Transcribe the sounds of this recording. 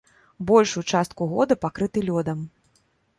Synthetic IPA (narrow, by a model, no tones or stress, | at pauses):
bɔlʲʂut͡ʂast̪̚kuɣɔd̪ɐpakɾɨt̪ɨlʲɔd̪ɐm